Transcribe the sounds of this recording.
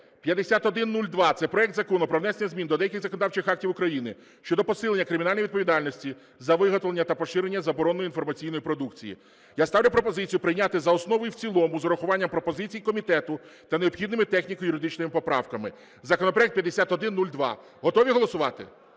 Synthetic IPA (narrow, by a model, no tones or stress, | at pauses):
pʲjɐd̪esʲat̪ɔd̪ɪnːulʲd̪ʋɑt̪sɛpɾɔjɛkt̪zɐkɔnʊpɾɔwnɛsenʲːɐzʲmʲind̪ɔd̪ɛjɐkʲiɣzɐkɔnɔd̪ɑwt͡ʃɪxɑk̚tʲiwʊkɾɐjinɪ | ʃt͡ʃɔd̪ɔpɔsɪlˠeːɐkɾɪmʲinɑlʲjʋʲid̪pɔʋʲid̪ɑlʲnɔsʲtʲi | zɐʋɪɦɔt̪lˠenʲːɐt̪ɐpɔʃɪɾenʲːɐzɐbɔɾɔnɔjinfɔrmɐt͡sʲijn̪ɔjipɾɔd̪ukt͡sʲijḭ | jast̪ɑwlʲʊpɾɔpɔzɪt͡sʲijʊpɾɪjnʲat̪ɪzɐɔsnɔʋɔjiwt͡sʲilˠɔmʊzɔɾɔxʊʋɑnʲːɐmpɾɔpɔzɪt͡sʲijikɔmʲit̪ɛt̪ʊt̪ɐneɔpxʲid̪nɪmɪt̪ɛxnʲikjʊɾɪd̪ɪt͡ʃnɪmɪpɔpɾɑ̰wkɐmɪ | zɐkɔnɔpɾɔɛk̚t̪̚pjɐd̪esʲat̪ɔd̪ɪnːulʲd̪ʋɑ̰ | ɦɔt̪ɔʋʲiɦɔlˠɔsʊʋɑt̪ɪ̰